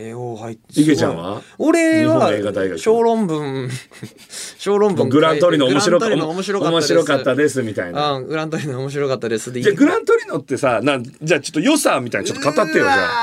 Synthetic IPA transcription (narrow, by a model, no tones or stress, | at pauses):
eohaiike̞t͡ɕã̰βa̰oɾe̞βaeːɡat̪aia̰ɕoːɾõmbɯ̃ | ɕoːɾõbɡɯ̟ɾãnt̪oɾʲinoomoɕiɾokːmoɕiɾoomo̞iɾo̞katt̪ːad̪esɨmʲit̪a̰inãɡɯ̟ɾãnt̪oɾinomoɕ̬iɾokat̪ːad̪esɨd̪ed͡ʑaɡɯ̟ɾãnt̪o̞ɾʲino̞t̪ːe̞sanãnd͡ʑaːt͡ɕo̥t̪ːo̞jo̞samʲit̪aijnat͡ɕo̞t̪ːokat̪at̪ːe̞jod͡ʑa̰